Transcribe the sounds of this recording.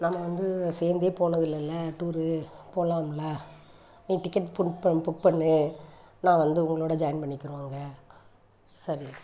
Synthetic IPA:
nɐmːɐʋɐnd̪ɯseːɾnd̪eːpoːɳɐðɪlɪlːɐʈuːɾɯpoːlaːmlɐ | niːʈɪkːɐʈfʊɳɖpɐpʊk̚pɐɳːɯ | nãːʋɐnd̪ɯʊŋɡɐɭoːɽɐd͡ʒɐjɐnpɐɳːɪkːɪɾaːŋɡɐ | sɐɾi

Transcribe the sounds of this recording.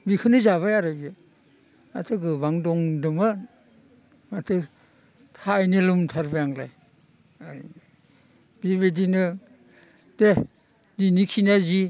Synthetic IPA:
bikʰɯnɯzaβajaɾabiɯ | ma̰tʰɯɡɯbaŋdɔŋdɯmɯ | matʰɯ | tʰajnɯlumtʰaɾbajaŋla̰j | aj | biβedinɯ | d̥e | dinikʰinazi

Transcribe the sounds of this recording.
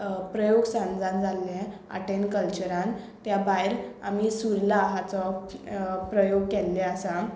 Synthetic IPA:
pɾəjoɡsãnd͡zand͡zalːɛ̃ | a̰ʈenkəlt͡ɕəɾãn | t̪jabajlamisuɾlaɦat͡sɔ | pɾəjoɡ̚kɛlːeasa

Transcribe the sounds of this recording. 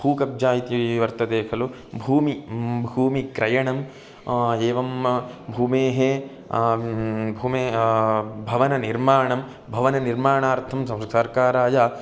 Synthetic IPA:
huːkɐb̚d͡ʒaːjit̪iʋɐɾt̪ɐd̪eːkʰɐlu | bʱuːmibʱuːmikɾɐjɐɳɐm | eːʋɐmbʱuːmeːɦe | bʱuːmeː | bʱɐʋɐnɐniɾmaːɳɐm | bʱɐʋɐnɐniɾmaːɳaːɾt̪ʰɐmsɐmssɐɾkaːɾaːjaː

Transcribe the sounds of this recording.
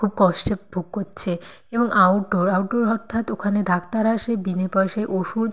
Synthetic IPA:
kʰub̚kɔʃʈebʱuɡɦotːɕʰe | eboŋʔawʈoɾawʈoɾɔɾt̪ʰat̪okʰaned̪ʱakt̪aɾaʃebinepɔjʃeʔoʃu

